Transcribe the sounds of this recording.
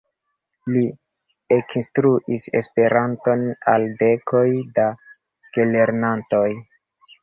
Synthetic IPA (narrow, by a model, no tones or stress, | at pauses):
li | eknstɾuʔise̞̰spe̞ɾanto̞na̰lde̞kʰo̞jda | ɡ̥ele̞ɾnanto̞j